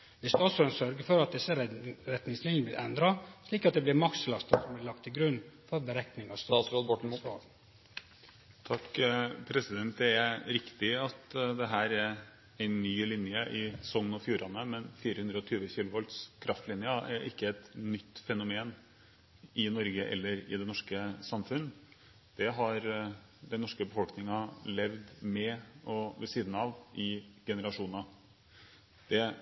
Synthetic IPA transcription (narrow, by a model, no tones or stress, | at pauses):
ʋɪsd̪ɔsɔɑnsœɾɡəfɔɾɑt̪̚d̪ɛsːəɾɾɛt̪nɪŋslɪnjəəblɪɾʔɛnd̪ɾɑʂliːkɑt̪̚d̪ɛblɪɾmɑkslɑst̪əsɔmblɪlɑk̚t̪ʰːɪɡɾʉnːfɔɾbəɾɛk̪nɪŋɑst̪ɾobɔɳ̩ɑ | t̪ʰɑkːpʰɾɛsɪd̪ɛnt̪̚d̪ɛɛɾɾɪkt̪ɪɑt̪d̪ɛɦæːɾɛɾ | ɛɪnːyːlɪnjəʔɪsɔŋːnɔfjuːɾɑnəmɛnfiːɾəhʉnd̪ɾɔt̪ʰyːʋəçiːlʊʋɔlt̪skʰɾʔɑft̪lɪnjɑɛɾʔɪ̰kːəɛt̪nʏt̪ːfɛnʊmeːn | ʔɪnɔɾɡəʔɛ̰lːəɾɪ̰d̪ɛnɔʂkəsɑmfʉn | d̪̥ɛɦɑɾ | d̪ɛnɔʂkəbəfɔlknɪŋɑlɛʋd̪mɛʔɔʋɛsiːd̪n̩ɑʋʔɪɡ̥ɛnəɾɑʂuːnɑ | d̪̥ɛ